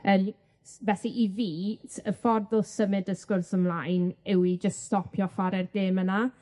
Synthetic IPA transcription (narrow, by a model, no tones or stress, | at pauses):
əːm | vɛsiʔiviːtʰəfɔrdʊlˠsəmɪdəskʊrsəmlˠajnɛwid͡ʒəststɔpʰjɔfaɾɛrdeːməna